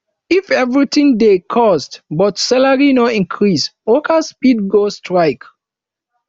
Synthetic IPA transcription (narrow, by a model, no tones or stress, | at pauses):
ifɛvɹitĩŋdekʰɔstbɔtsɛlaɹinoĩnkʰɹisokaspid̚ɡostɹaɪk